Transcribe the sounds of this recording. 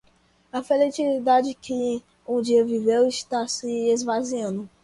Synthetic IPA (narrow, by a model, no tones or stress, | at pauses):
ɐfelet͡ʃilid̪ad͡ʒɪkɪ | ũd͡ʒiɐvivewiʃt̪asɪezvaziɐ̃nd̪ʊ